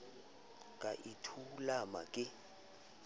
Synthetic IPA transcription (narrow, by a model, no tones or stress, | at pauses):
kʼaʔitʰulama̰kʼɪ